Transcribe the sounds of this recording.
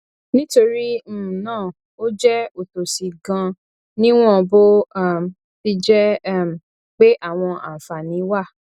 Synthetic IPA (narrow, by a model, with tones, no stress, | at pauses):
nĩ˦to˧ɾi˦m̩˦˨nãː˦˨ | o˦d͡ʒɛ˦o˨to˨si˨ɡã˧ | nĩ˦w̃ɔ̃˦˧bo˦˨ | fi˦d͡ʒɛ˦˨ | k͡pe˦ʔa˦˨w̃ɔ̃˧ʔa̰˨fa˨nĩ˨˦wa˦˨